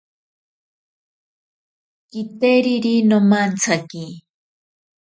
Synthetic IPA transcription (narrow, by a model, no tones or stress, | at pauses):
kit̪eɾiɾinomant͡sʰaki